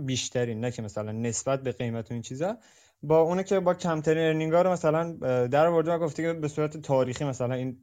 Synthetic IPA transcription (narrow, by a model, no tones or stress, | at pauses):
biʃt̪ʰæɾiːnːæcʰemæsælænːe̞sbæt̪̚be̞ɣe̞jmæt̪ʰoiːnt͡ʃʰiːzɒ | bɒːunicʰebɒːcʰæmt̪ʰæɾineɾniŋɡɒːɾomæsælænd̪æɾɒvo̞ɾd̪emæɡo̞ft̪ecebe̞suːɾæt̪ʰet̪ʰɒːɾiːxiːmæsælæniːn